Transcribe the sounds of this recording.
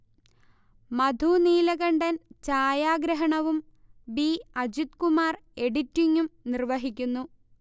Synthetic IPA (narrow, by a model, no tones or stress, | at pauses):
mɐd̪ʱuniːlɐɣɐɳɖɐnt͡ɕaːjaːɡɾɐɦɐɳɐʋum | biɐd͡ʑit̪kumaːre̞ɽitːiŋːumnirʋɐɦikʲːunːu